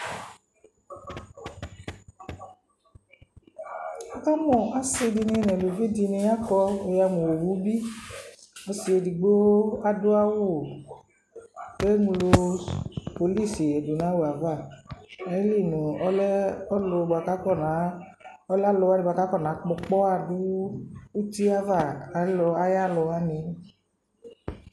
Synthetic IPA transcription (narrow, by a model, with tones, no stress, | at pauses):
a˦ka˦mɔ̃˨a˦si˧di˧nĩ˧˦nɛ̃˨lo˨vi˦di˧nĩ˧ja˦kɔ˧o˧ja˧mũ˨wo˨wu˨˦bi˦ | ɔ˧si˧e˧di˨ɡ͡bo˦a˦dʊ˦a˦wu˦˨ | kɛ˦ŋũ˧lo˧ | po˧li˦˨si˨ɛ˨du˨nã˨˦wo˨a˨va˦˨ɛ˨˦li˦˨nũ˨ɔ˦lɛ˦ɔ˦lo˧ɡ͡ba˨ka˨˦kɔ˦˨na˨˦ | ɔ˦la˦lɔ˧wa˦ni˧ɡ͡ba˧ka˨˦kɔ˦˨nã˨˦k͡pɔ˧k͡pɔ˦a˧˨dʊ˦u˦ti˦a˦va˦˨a˨˦lɔ˧a˦ja˦lɔ˧a˦ni˧